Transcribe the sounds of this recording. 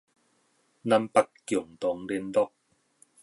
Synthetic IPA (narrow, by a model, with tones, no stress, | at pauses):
na˧mpa˦˥kːjɔ˨˩ŋt̪ɔ˨˦ŋle˧˥nt̪ɔ˦˥k̚